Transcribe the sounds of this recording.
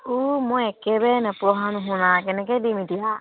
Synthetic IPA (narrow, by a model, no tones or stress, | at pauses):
umuɛkɛbɛnapɾɔɦanuɦunakɛnɛkɛdimidija